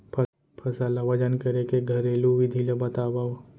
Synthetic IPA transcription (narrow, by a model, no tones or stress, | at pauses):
pʰ | pʰɐsalɐʋɐd͡ʒənkɐɾekeɡʱɐɾeːluʋid̪ʱilebɐt̪aːba